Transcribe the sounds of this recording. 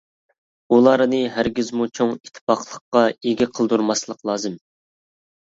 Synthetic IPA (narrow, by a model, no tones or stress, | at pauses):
ulˠɑɾnɨɦæɾɡʲizmut͡ʃʰoŋit̪ʰːɪ̥pɑχlˠəqːɑeɡʲɛqʰəlˠd̪uɾmɑslˠəqlˠɑːzɨm